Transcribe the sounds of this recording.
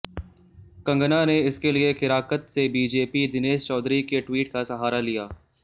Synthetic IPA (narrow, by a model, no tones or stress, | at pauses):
kɐ̃ŋɡnaneɪskeliexɪɾaːkət̪sebiːd͡ʒeːpid̪ɪneːʃt͡ʃɔːd̪ɾikeʈwiːʈ̚kasɐɦaːɾalijaː